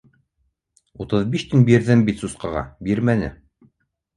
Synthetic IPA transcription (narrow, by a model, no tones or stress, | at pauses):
ut̪ɤðbiʃt̪ɘnbiɾðɘmbit̪susqɑʁɑ̰biɾmænɘ̰